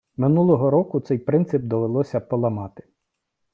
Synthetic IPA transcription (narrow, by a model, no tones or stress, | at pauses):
mɪnulˠɔɦɔɾɔkʊt̪sɛjpɾɪnt̪sɪb̚d̪ɔʋelˠɔsʲɐpɔlˠɐmɑt̪ɪ̥